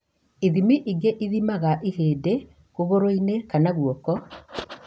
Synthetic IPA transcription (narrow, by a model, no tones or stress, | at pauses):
iðimiʔiɡeʔiðimaɣaʔiheːde | koβoɾoinekanaɣwɔkɔ